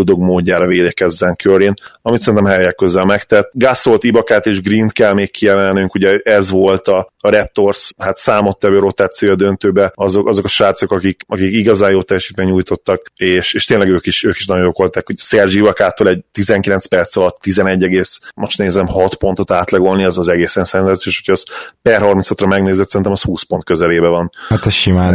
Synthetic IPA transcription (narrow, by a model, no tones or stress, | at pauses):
ld̪oɡmoːɟːaːɾɒveːd̪ɛkɛzːɛŋkʰøɾinɒmit̪sɛint̪ɛmɦɛjɛkːøzɛlmɛkt̪ɛt̪ːɡaso̞lt̪ibɒkaːt̪eːʒɡrint̪kɛlmeːkkʰːijɛmɛlnyŋkuɟɛɛzʋo̞lt̪ɒːɾɛp̚t̪o̞rshat̪saːmo̞t̪ːɛvøːɾo̞t̪aːt̪sioɒd̪ønt̪øːbɛɒzokɒzo̞kɒʃaːt̪so̞kɒkikɒkikiɡɒzaːjoːt̪ɛjɛʃit̪bɛɲɲuːjt̪o̞t̪ːɒkeːʃeːʃt̪eːnlɛɡøːkiʃøːki̥ʃnɒjojoːko̞lt̪aːkhoɟsɛrʒivɒkaːt̪olɛɟt̪izɛŋkilɛnspɛrt̪sɒlɒt̪ːizɛnɛɟːɛɡeːsmoʃt̪ɛezɛɛmhɒt̪po̞nt̪o̞t̪aːt̪lɛɡo̞lniɛzɒzɛɡeːsɛnsɛnzaːt̪sioːʃo̥cʰɛzpɛrɦɒrminsɒt̪rɒmɛɡneːzɛt̪sɛɾinɛmɛshuːspo̞nt̪kø̞zɛleːbɛvɒnhat̪ɛsʃimaːn